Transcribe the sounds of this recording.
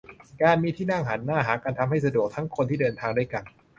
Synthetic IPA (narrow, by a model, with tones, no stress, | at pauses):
kaː˧nmiː˧t̪ʰiː˥˩na˥˩ŋɦaː˩˦nːaː˥˩ɦaː˩˦kaː˧nt̪ʰa˧mɦa˥˩js̬a˧du˨˩ək̚t̪ʰa˦˥ŋkʰo˧nt̪ʰiː˥˩dɤː˧nt̪ʰaː˧ŋdaː˥˩jka˧n